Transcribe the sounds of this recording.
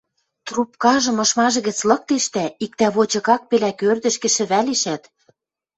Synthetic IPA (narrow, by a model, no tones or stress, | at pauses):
t̪rupkɑʒɤ̆mɤ̆ʃmɑʒɤ̆ɣɘ̆t͡slɤ̆k̚t̪eʃt̪æik̚t̪æβot͡ɕɤ̆ɣɑk̚pelækørd̪ɘ̆ʃkɘ̆ʃɘ̆βæleʃæt̪